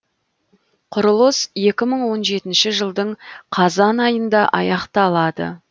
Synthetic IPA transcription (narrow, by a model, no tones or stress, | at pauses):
qʰʊɾəlˠəsje̞kʲɪməɴwo̞nʒe̞t̪ɪnʃɪʒəlˠd̪əɴqʰɑzɑnɑjənd̪ɑʔɑ̰jɑqt̪ɑlˠɑd̪ə̰